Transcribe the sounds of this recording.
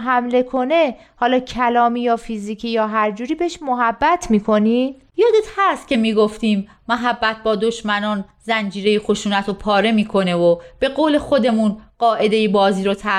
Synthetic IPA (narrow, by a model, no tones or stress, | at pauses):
ɦæmle̞kʰo̞ne̞ | hɒːlɒːcʰælɒːmiːjɒːfiziːkʰiːjɒːɦæɾd͡ʒuːɾiːbeʃmoɦæbːæt̪ʰmiːkʰo̞niː | jɒːd̪et̪hæst̪̚cʰʲe̞miːɡoft̪iːmː | oɦæbːæt̪̚ʰbɒːd̪o̞ʃmænɒːn | zænd͡ʒiːɾe̞jexoʃuːnæt̪ʰopʰɒːɾe̞miːkʰo̞ne̞vob̥e̞ɣoːlexo̞d̪e̞munɢ̥ɒːʔe̞d̪e̞jibɒːziːɾot̪ʰæ